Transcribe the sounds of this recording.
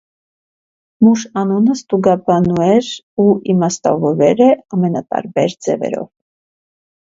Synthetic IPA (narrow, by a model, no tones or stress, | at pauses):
muʃɑnunəst̪uɡɑbɑnuɛɾ | uʔimɑst̪ɑ̰vɔɾɛɾɛɑmɛnɑt̪ɑ̰ɾbɛɾd͡zɛvɛ̰ɾɔ̰v